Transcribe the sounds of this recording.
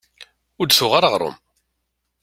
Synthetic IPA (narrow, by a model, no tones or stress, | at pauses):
ʊd̪θʊʁaɾəʁɾˤʊ̰m